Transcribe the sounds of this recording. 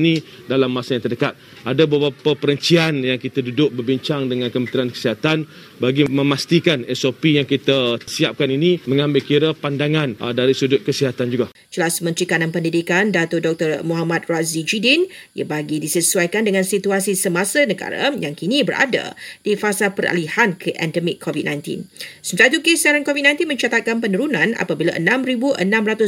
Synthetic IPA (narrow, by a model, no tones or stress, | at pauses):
nĩ | dalamːãsajaŋt̪ərdəkat̪̚ | ʔadabəbapapəɾənt͡ʃianjaŋkit̪adudʊk̚bərbiɲt͡ʃaŋdəŋãnkəmənt̪ɾiankə̥siɦat̪an | baɡimə̃mast̪ikanɛsopijaŋkit̪asiap̚kaninimə̃ŋãmbɪlkiɾapandaŋãndaɾisudʊt̪̚kəsiɦat̪and͡ʒuɡa | t͡ʃəlasmə̃nt̪ɾikananpəndidikandat̪ʊdɔk̚t̪ərmoɦamat̪̚razid͡ʒidinja̰baɡidisəsuajkandəŋãnsit̪uasisəmasanəɡa̰ɾa̰jaŋkinĩbəɾʔa̰da̰d̥ifasapəɾa̰lihankʰəʔɛ̰ndəmikʰːovit̚nãjnt̪ḭnsəmət̪ait̪ukesaɾankovit̚nãj̃nt̪inmə̃ɲt͡ʃat̪at̪̚kanpənəɾunãna̰pabilaʔə̰nãmɾibuʔə̰nãmɾat̪ʊ